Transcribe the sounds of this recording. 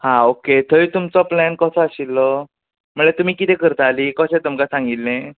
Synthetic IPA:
hãoket̪ʰəit̪umt͡sɔplænkəsəaɕilːɔ | m̤əɳɭet̪um̤iːkit̪ẽkəɾət̪aliːkəsẽt̪umkasãŋɡilːẽ

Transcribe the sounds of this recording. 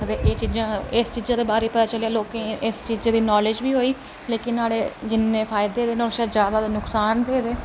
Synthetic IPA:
əd̪eːʔeːt͡ʃiːzãːɪst͡ʃiːzãːd̪eːbaːɾeːpət̪aːt͡ʃəleaːloːkẽːʔɪst͡ʃiːzẽːd̪iːnɔːlɪd͡ʒbiːɦoːiː | leːkɪnːaːɽeːd͡ʒɪnːẽːpʰaːɪd̪eːd̪eːnoʃaːd͡ʒjaːd̪aːd̪enʊksaːnd̪eːd̪eː

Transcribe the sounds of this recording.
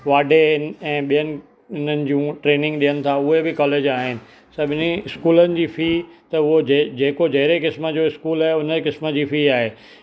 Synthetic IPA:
ʋaːɖʱeɪnɪ̆ɛ̃ːɓijənɪ̆ | ɪn̤ənɪ̆d͡ʑũʈɾeːnɪ̃ŋɡɗijənɪ̆t̪ʰaʊɦebɪkɔːleːd͡ʑaːɦɪnɪ̆ | sɐbʱɪniɪskuːlənɪ̆d͡ʑiːfiːt̪ɐʊɦod͡ʑd͡ʑeːkod͡ʑɐɦɪɾekɪsmə̆d͡ʑoɪskuːlaːɦeʊnəkɪsmə̆d͡ʑiːfiːaːɦeː

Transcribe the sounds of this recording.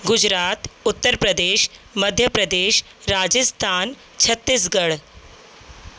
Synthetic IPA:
ɡud͡ʑɾat̪ut̪ːəɾpɾəd̪eɕməd̪ʱjəpɾəd̪eɕ | ɾad͡ʑəst̪ʰan | t͡ɕʰət̪ːisɡəɭ

